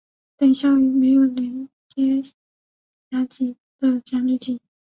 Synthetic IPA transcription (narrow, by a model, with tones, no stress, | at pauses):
t̪ə˨˩nɕjɑ˥˩ʊy˨˩me˧˥ɪjo˨˩ʊljɛ˧˥n | t͡ɕjɛ˥ | ɕa˧˥t͡ɕi˨˩ | d̪ə˧˩t͡ɕja˧˥ly˥˩t͡ɕi˨˩